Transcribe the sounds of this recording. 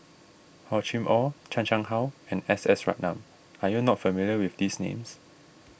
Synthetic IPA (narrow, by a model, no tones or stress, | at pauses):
hɔt͡ʃĩmʔɔt͡ʃʰãnt͡ʃãŋhawɛ̃nɛsɛsɹa̰t̚nã̰m | ajunɔtfəmiljəwifdisnḛ̃ms